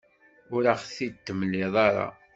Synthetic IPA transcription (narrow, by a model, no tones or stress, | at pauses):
ʊɾaχθit̪ːəməlːɪðˤɑɾˤɑ̰